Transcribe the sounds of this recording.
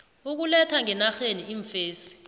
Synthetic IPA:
uk̬ulɛtʰaŋɛnaxeniiːɱfeːsi̥

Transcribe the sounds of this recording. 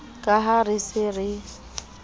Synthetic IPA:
kʼaɦarɪsɪrɪ

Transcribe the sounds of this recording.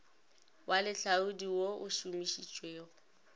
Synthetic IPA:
wʔalɪɬaudiwoʔʊʃumiʃit͡ʃʼweːʊ

